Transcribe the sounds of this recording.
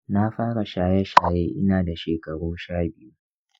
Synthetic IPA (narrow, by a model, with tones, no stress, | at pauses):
na˦ɸaː˦ɽa˨ʃaː˨jɛ˦ʃaː˨jeː˦ʔɪ̰˦naː˨da˨ʃeː˨kɐ˨ɽoː˦ʃaː˦˨bɪ˦ju˦